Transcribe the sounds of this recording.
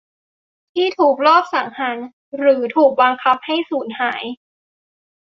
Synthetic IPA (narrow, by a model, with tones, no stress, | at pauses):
t̪ʰiː˥˩t̪ʰuː˨˩k̚lɔː˥˩p̚sa˩˦ŋha˩˦n | ɾɯː˩˦t̪ʰuː˨˩k̚ba˧ŋkʰa˦˥p̚ha˥˩jsuː˩˦nhaː˩˦j